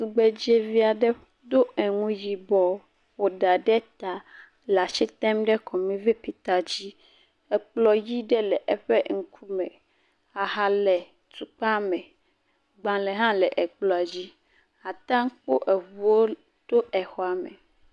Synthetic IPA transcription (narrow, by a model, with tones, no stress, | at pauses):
su˨ɡ͡be˨d͡ʑe˦vi˦a˨ɖɛ˦ | d̪o˦ɛ˨ŋũ˦ji˨bɔ˨ | wo˨ɖa˨ɖɛ˦t̪a˨ | la˨ʃi˦t̪ɛ˦mɖɛ˦kʰɔ˨mĩ˦vɛ˦pi˨t̪a˨d͡ʑi˦ | ɛ˨k͡plɔ˨ji˦ɖɛ˦lɛ˨ʔɛ˦ɸɛ˦ŋ̩˨kʰu˦mɛ̰̃˨ | a˨ɦa˨lɛ˨ | t̪u˨k͡pa˦mɛ̃˨ | ɡ͡bã˨lɛ˨ɦã˦lɛ˨ʔɛ˨k͡plɔ˨a˨d͡ʑi˦ | a˨t̪ã˦ŋ˦k͡po̰˦ʔɛ˨vu˨wo˦ | t̪o˦ɛ˨xɔ˦a˨mɛ̰˨